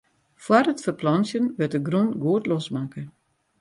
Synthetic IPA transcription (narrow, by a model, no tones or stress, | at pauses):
fwarətfərplɔnsjənʋɪt̚dəɡrunɡuətlɔsmakə